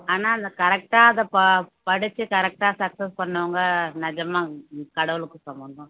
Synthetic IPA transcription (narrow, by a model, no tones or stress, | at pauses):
aːnaːɐnd̪ɐkɐɾɛk̚ʈaːɐðɐppɐɽɯt͡ʃːɯkɐɾɛk̚ʈaːsɐksɐspɐɳːɐʋɐŋɡɐnɪd͡ʒɐmaːkɐɽɐʋɯɭɯkːɯsɐmɐnd̪ɐ̃